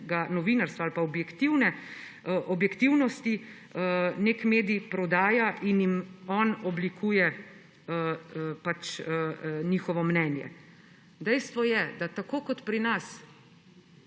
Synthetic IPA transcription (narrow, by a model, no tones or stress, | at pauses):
ɡanɔʋinaɾst̪ʋaalpaɔbjɛkt̪iwnɛ | ʔɔbjɛkt̪iwnɔst̪i | əneːkmeːd̪iipɾɔd̪aːjaʔinjimɔːnɔblikʰuːjɛ | pat͡ʃəniːxɔʋɔmnɛːnjɛ̰ | d̪ɛjst̪ʋɔjɛd̪at̪akoːkɔt̪pɾinas